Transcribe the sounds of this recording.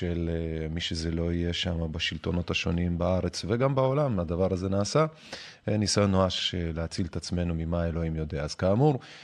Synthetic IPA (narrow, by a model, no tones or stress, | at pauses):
elmiʃezelo̞ije̞ʃamabaʃilt̪o̞no̞thaʃo̞nimbaaʁe̞t͡sveɡambao̞lamadavaʁaze̞naːsa | nisanoaʃeleat͡silet̪at͡sme̞numimae̞lo̞imjo̞d̪eaaz̥kaːmuʁ